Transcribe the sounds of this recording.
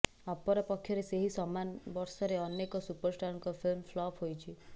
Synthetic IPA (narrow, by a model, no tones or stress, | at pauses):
apɔɾapɔkʰːjɔɾeseɦisɔmanbɔɾsɔɾeɔnekɔsupəɾsʈaɾnkɔfʰilmflɔpɦojt͡ʃʰi